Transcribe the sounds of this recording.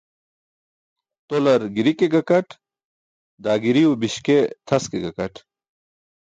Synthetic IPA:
t̪olɐɾɡiɾikeɡɐkɐʈ | d̪aːɡiɾiubiɕket̪ʰɐskeɡɐkɐʈʰ

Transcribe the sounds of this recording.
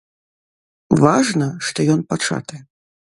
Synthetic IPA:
vaʐnɐʂt̪ɔjɔnpat͡ʂa̰t̪ɛ

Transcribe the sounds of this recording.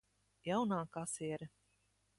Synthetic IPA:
jawnaːkasiɛɾɛ

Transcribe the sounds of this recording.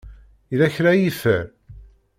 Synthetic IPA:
iðæçɾæjifəɾ

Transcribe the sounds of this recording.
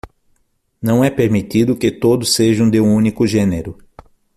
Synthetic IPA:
nɐ̃w̃ɛpeɾmit̪id̪ʊkɪt̪od̪ʊsːeʒɐ̃w̃d̪eũũnikʊʒẽneɾʊ

